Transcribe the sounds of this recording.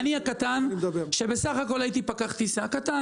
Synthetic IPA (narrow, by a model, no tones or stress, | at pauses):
niakat̪and̪beʃe̞be̞saχako̞lait̪ipakaχt̪isakat̪a